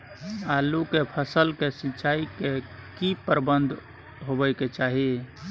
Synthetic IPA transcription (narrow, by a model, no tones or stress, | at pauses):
alukepʰəsəlkesit͡ʃaikekipəɾbənd̪ʱ | ɦobəɪket͡ʃaːɦi